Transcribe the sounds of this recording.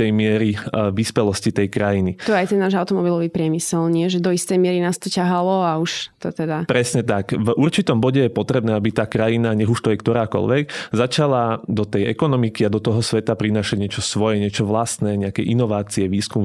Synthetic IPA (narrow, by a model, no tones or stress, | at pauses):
t̪ɛjmɪɛɾiʋispɛlɔscit̪ɛjkɾajinit̪ɔajt̪ɛnnːaːʒawt̪ɔmɔbilɔʋiːpɾɪɛmisɛlɲɪɛʒɛd̪ɔist̪ɛjmɪɛɾinaːst̪ɔcaɦalɔauʃt̪ɔt̪ɛd̪apɾɛsɲɛt̪akvuɾt͡ʃit̪ɔmbɔɟɛjɛpɔt̪ɾɛbnɛːabit̪aːkɾajinaɲɛɣuʃt̪ɔjɛkt̪ɔɾaːkɔ̰lʋɛɡzat͡ʃalad̪ɔt̪ɛjɛ̰kɔnɔmikiad̪ɔt̪ɔɦɔsʋɛt̪apɾinaːʃaɟɲɪɛt͡ʃɔsʋɔjɛɲɛt͡ʃɔʋlast̪nɛɲɛakɛjʔinɔʋaːt͡siɛʋiːskum